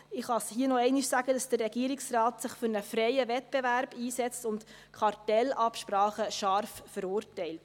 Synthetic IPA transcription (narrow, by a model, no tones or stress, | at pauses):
ɪχɑshiənɔɛɪnɪʃsæɡədɑsd̥ərːɛɡ̥iːəɾɪksrɑːtsɪχfʏɾnəfɾɛɪəʋɛt̚b̥ɛvæɾb̥iːsɛt͡stʊnt | kʰχɑrtɛlɑpʃpɾɑːχəʃɑɾffəɾuːrtɛɪlt